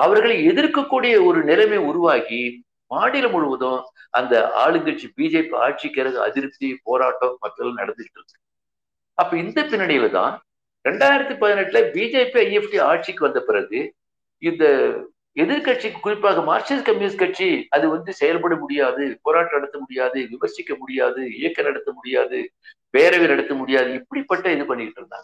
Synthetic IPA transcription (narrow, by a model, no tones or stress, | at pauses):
ɐʋɐɾɣɐɭɛðɪɾkɐkːuːɽɪjɐɔɾɯnɪɾɐmeːʊɾʊʋaːɣi | maːɽɪlɐmʊɻɯʋɐðõɐ̰nd̪ɐ̰a̰ːɭɯɡɐʈ̚t͡ʃibiːd͡ʒeːpia̰ːʈ̚t͡ʃikːɪɾɐɣɯɐ̰ðɪɾɯp̚t̪ipoːɾaːʈːomɐʈːɐlãnɐ̰ɽɐnd̪ɯʈːɾɯkːɯ̥ | ɐpːɐːɪnd̪ɐpɪnːɐɳɪjɪlɐt̪ã̰ː | ɾɛɳɖaːjɪɾɐt̪ːipɐðɪnɐʈːlɐbiːd͡ʒeːpiɐjɛfʈiaːʈ̚t͡ʃikːɯʋɐnd̪ɐpɪɾɐɣɯ | ɪnd̪ɐ | ɛðɪɾkɐʈ̚t͡ʃikːɯkːʊɾɪpːaːɣɐmaːɾt͡ʃiskɐmjuːskɐʈ̚t͡ʃiɐðɯʋɐnd̪ɯsɛjɐlpɐɽɐmʊɽɪjaːðɯpoːɾaːʈːɐnɐɽɐt̪ːɐmʊɽɪjaːðɯʋɪʋɐɾsɪkʲːɐmʊɽɪjaːðɯɪjɐkːɐnɐɽɐt̪ːɐmʊɽɪja̰ːðɯ | peːɾɐʋɪnɐɽɐt̪ːɐmʊɽɪjaːðɯɪpːɐɽipːɐʈːɐɛðɯpɐɳːɪkɪʈːɾɯnd̪a̰ːŋɐ